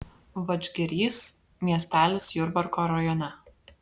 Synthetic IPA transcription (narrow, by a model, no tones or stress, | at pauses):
ʋɐd͡ʒʲɡʲɪɾʲiːs | mʲiɛsʲt̪ʲæːlʲɪsjʊɾbɐɾkɔːɾɐjɔnʲɛ